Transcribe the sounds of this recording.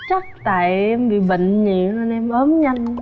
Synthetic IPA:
t͡ɕa˦˥k̚t̪a̰ː˧˨jʔɛ˧mɓḭ˧˨ɓə̰˧˨ŋ̟ɲḭ˧˨nə˧nʔɛ˧mʔəː˨˦mɲa˧jŋ

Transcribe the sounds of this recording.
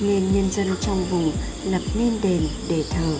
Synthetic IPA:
ŋi˧˩nɲə˧nzə˧nt͡ɕɔ˧wŋ͡mvu˨˧˩ | lə˨˩p̚ni˧˥nɗe˨˩nɗe˧˩t̪ʰəː˨˩

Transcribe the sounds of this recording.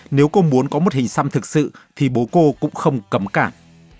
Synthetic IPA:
ne˨˦wko˧mu˨˦ənkɔ˨˦mo˨˩t̚hï˨˩ŋ̟sa˧mt̪ʰɨ˨˩k̚sɨ̰˧˨t̪ʰi˨˩ɓo˨˦ko˧kʊ̰˧˥ŋ͡mxə˧wŋ͡mkə˨˦mkaː˧˩m

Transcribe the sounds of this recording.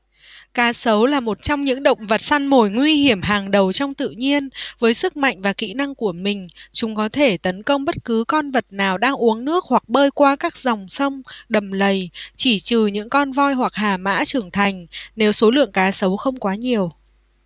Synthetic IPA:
kaː˨˦sə˨˦wlaː˨˩mo˨˩t̚t͡ɕɔ˧wŋ͡mɲɨ̰˧˥ŋɗə̰˧˨wŋ͡mvə˨˩t̚sa˧nmo˨˩jŋwi˧ɦi˧˩əmɦaː˨˩ŋɗə˨˩wt͡ɕɔ˧wŋ͡mt̪ɨ̰˧˨ɲi˧ənvəː˨˦jsɨ˦˥k̚ma̰˧˨jŋ̟vaː˨˩kḭ˧˥na˧ŋku˧˩əmï˨˩ŋ̟t͡ɕʊ˨˦ŋ͡mkɔ˨˦t̪ʰe˧˩t̪ə˨˦nkə˧wŋ͡mɓə˦˥t̚kɨ˨˦kɔ˧nvə˨˩t̚naː˨˩wɗaː˧ŋʔu˨˦əŋnɨ˦˥ək̚hwa˨˩k̚ɓəː˧jkwaː˧kaː˦˥k̚zɔ˨˩wŋ͡msə˧wŋ͡mɗə˨˩mlə˨˩jt͡ɕi˧˩t͡ɕɨ˨˩ɲɨ̰˧˥ŋkɔ˧nvɔ˧jhwa˨˩k̚haː˨˩ma̰ː˧˥t͡ɕɨ˨˩əŋt̪ʰa˨˩jŋ̟ne˨˦wso˨˦lɨ̰˧˨əŋkaː˨˦sə˨˦wxə˧wŋ͡mkwaː˨˦ɲi˨˩əw

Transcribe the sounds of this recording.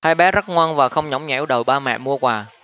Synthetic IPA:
haː˧jɓɛ˨˦zə˦˥t̚ŋwaː˧nvaː˨˩xə˧wŋ͡mɲɔ˨˦wŋ͡mɲa̰˨˩˨ɗə˨˩jɓaː˧mɛ̰˧˨mu˧əkwaː˨˩

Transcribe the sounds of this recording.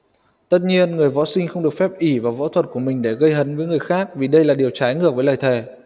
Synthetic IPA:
t̪ə˦˥t̚ɲi˧ənŋɨ˨˩əjvɔ̰˧˥sï˧ŋ̟xə˧wŋ͡mɗɨ˨˩ək̚fɛ˦˥p̚ʔi˧˩vaː˨˩vɔ̰˧˥t̪ʰwə˨˩t̚ku˧˩əmï˨˩ŋ̟ɗe˧˩ɣə˧jɦə˨˦nvəː˨˦jŋɨ˨˩əjxaː˦˥k̚vi˨˩ɗə˧jlaː˨˩ɗi˨˩əwt͡ɕaː˨˦jŋɨ˧˩ək̚vːləː˨˩jt̪ʰe˨˩

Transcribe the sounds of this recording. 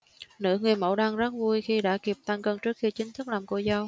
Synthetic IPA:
nɨ̰˧˥ŋɨ˨˩əjmo̰˧˥ɗaː˧ŋzə˦˥t̚vu˧jxi˧ɗa̰ː˧˥ki˨˩p̚t̪a˧ŋkə˧ŋt͡ɕɨ˦˥ək̚xi˧t͡ɕï˨˦ŋt̪ʰɨ˦˥k̚laː˨˩mko̰˧˩za˧w

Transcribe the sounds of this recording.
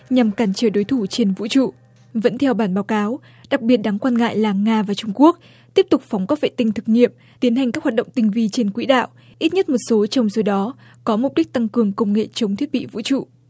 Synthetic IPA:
ɲa˨˩mkaː˧˩nt͡ɕəː˧˩ɗo˨˦jt̪ʰu˧˩t͡ɕe˧nvṵ˧˥t͡ɕṵ˧˨ | və̰˧˥nt̪ʰɛ˧wɓaː˧˩nɓaː˨˦wkaː˨˦w | ɗa˨˩k̚ɓi˨˩ət̚ɗa˨˦ŋkwaː˧nŋa̰ː˧˨jlaː˨˩ŋaː˧vaː˨˩t͡ɕʊ˧ŋ͡mku˦˥ək̚ | t̪i˦˥əp̚t̪ʊ˨˩k͡p̚fɔ˨˦wŋ͡mkɔ˦˥vḛ˧˨t̪ï˧ŋt̪ʰɨ˨˩k̚ɲḭ˧˨əm | t̪i˨˦ənɦa˨˩ŋ̟kaː˦˥k̚wa˨˩t̚ɗə̰˧˨ŋ͡mt̪ï˧ŋ̟vi˧t͡ɕe˧nkwḭ˧˥ɗa̰ː˧˨w | ʔi˦˥t̚ɲə˦˥t̚mo˨˩t̚so˨˦t͡ɕɔ˧wŋ͡mso˨˦ɗɔ˨˦ | kɔ˨˦mʊ˨˩k͡p̚ɗi˦˥k̟̚t̪a˧ŋkɨ˨˩əŋkə˧wŋ͡mŋḛ˧˨t͡ɕə˨˦wŋ͡mt̪ʰwi˦˥ət̚ɓḭ˧˨vṵ˧˥t͡ɕṵ˧˨

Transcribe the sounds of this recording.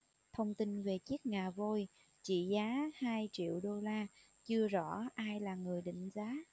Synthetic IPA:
t̪ʰə˧wŋ͡mt̪i˧nve˨˩t͡ɕi˦˥ək̚ŋaː˨˩vo˧j | t͡ɕḭ˧˨zaː˨˦haː˧jt͡ɕḭ˧˨əwɗo˧laː˧ | t͡ɕɨ˧əzɔ̰˧˩˨ʔaː˧jlaː˨˩ŋɨ˨˩əjɗḭ̈˧˨ŋ̟zaː˨˦

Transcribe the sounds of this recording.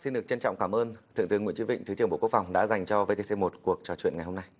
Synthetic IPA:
si˧nɗɨ˨˩ək̚t͡ɕə˧nt͡ɕɔ̰˧˨ŋ͡mkaː˧˩mʔəː˧nt̪ʰɨ̰˧˨ŋt̪ɨ˨˦əŋw̰ə˨t͡ɕi˧˦ɓḭ̈˧˨ŋ̟t̪ʰɨ˨˦t͡ɕɨ˨˩əɓo̰˧˨ku˦ək̚fa˨˩wŋ͡mɗa̰ː˧˥za˨˩jŋ̟t͡ɕɔ˧ve˧t̪e˧se˧mo˨˩t̚ku˨˩ək̚t͡ɕɔ˨˩t͡ɕwḭ˧˨ənŋa˨˩jho˧mna˧j

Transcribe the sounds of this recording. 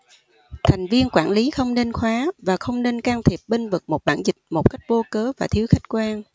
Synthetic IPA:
t̪ʰɛ˨˩jŋ̟vi˧ənkwaː˧˩nli˨˦xə˧wŋ͡mne˧nxwaː˨˦vaː˨˩xə˧wŋ͡mne˧nkaː˧mt̪ʰi˨˩əp̚ɓe˧nvɨ˨˩k̚mo˨˩t̚ɓaː˧˩nzï˨˩k̟̚mo˨˩p̚ka˦˥jk̟̚ɓo˧kəː˨˦vaː˨˩t̪ʰi˨˦əwxa˦˥jk̟̚kwaː˧n

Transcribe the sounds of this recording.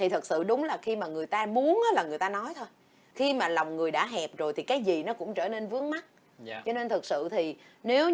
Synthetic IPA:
t̪ʰi˨˩t̪ʰɨ˨˩k̚sɨ̰˧˨ɗʊ˨˦ŋ͡mlaː˨˩xi˧maː˨˩ŋɨ˨˩əjt̪aː˧mu˨˦ənʔaː˨˦laː˨˩ŋɨ˨˩əjt̪aː˧nɔ˨˦jt̪ʰo˧j | xi˧maː˨˩la˨˩wŋ͡mŋɨ˨˩əjɗa̰ː˧˥ɦɛ˨˩p̚zo˨˩jt̪ʰi˨˩kaː˨˦jzi˨˩nɔ˨˦kʊ̰˧˥ŋ͡mt͡ɕəː˧˩ne˧nvɨ˨˦əŋ̚ma˦˥t̚ː | t͡ɕɔ˧ne˧nt̪ʰɨ˨˩k̚sɨ̰˧˨t̪ʰi˨˩ne˨˦w

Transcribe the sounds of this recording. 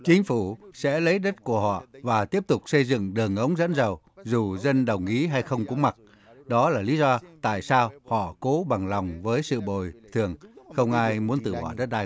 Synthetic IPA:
t͡ɕï˨˦ŋ̟fu˧˩sɛ̰˧˥lə˨˦jɗə˦˥t̚ku˧˩əɦɔ̰˧˨vaː˨˩t̪i˦˥əp̚t̪ʊ˨˩k͡p̚sə˧jzɨ̰˧˨ŋɗɨ˨˩əŋʔə˨˦wŋ͡mzə̰˧˥nzə˨˩w | zu˨˩zə˧nɗə˨˩wŋ͡mʔi˨˦ɦa˧jxə˧wŋ͡mkʊ̰˨˧˦ŋ͡mma˨˩t̚ | ɗɔ˨˦laː˨˩li˨˦zɔ˧t̪a̰ː˧˨jsaː˧whɔ̰˧˨ko˨˦ɓa˨˩ŋla˨˩wŋ͡mvəː˨˦jsɨ̰˧˨ɓo̰˧˨jt̪ʰɨ˨˩əŋxə˧wŋ͡mʔaː˧jmu˨˦ənt̪ɨ˧˩ɓɔ̰˧˩ɗə˦˥t̚ɗaː˧

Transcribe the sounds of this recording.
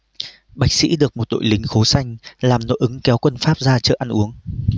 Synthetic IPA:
ɓa˨˩jk̟̚sḭ˧˥ɗɨ˨˩ək̚mo˨˩t̚ɗo̰˧˨jlï˨˦ŋ̟xo˨˦sa˧jŋ̟laː˨˩mno̰˧˥ʔɨ˨˦ŋkɛ˨˦wkwə˧nfaː˦˥p̚zaː˧t͡ɕə̰ː˧˩ʔa˧nʔu˨˦əŋ

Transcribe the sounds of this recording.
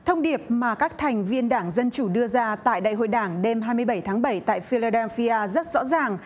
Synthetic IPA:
t̪ʰə˧wŋ͡mɗi˨˩əp̚maː˨˩kaː˦˥k̚t̪ʰɛ˨˩jŋ̟vi˧ənɗaː˧˩ŋzə˧nt͡ɕu˧˩ɗɨ˧əzaː˧t̪a̰ː˧˨jɗa̰ː˧˨jɦo̰˧˨jɗaː˧˩ŋɗe˧mɦaː˧jmɨ˧əjɓə˧˩jt̪ʰːŋɓə˧˩jt̪a̰ː˧˨jfi˧laː˧ɗɛ˧fi˧aː˧zə˦˥t̚zɔ̰˧˥zaː˨˩ŋ

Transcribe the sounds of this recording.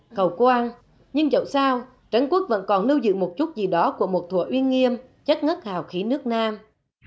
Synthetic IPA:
xə˨˩wkwaː˧n | ɲɨ˧ŋzə̰˧˩wsaː˧w | t͡ɕə˧˦ŋku˦˥ək̚və̰˧˥nkɔ˨˩nlɨ˧wzɨ̰˧˨mo˨˩t̚t͡ɕu˦˥t̚zi˨˩ɗɔ˨˦ku˧˩əmo˨˩t̚t̪ʰṵ˧˩əʔwi˧ənŋi˧əm | t͡ɕə˦˥t̚ŋə˦˥t̚haː˨˩wxi˨˦nɨ˦˥ək̚naː˧m

